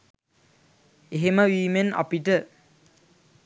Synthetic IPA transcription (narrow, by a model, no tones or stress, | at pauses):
eɦeməʋiːmena̰piʈə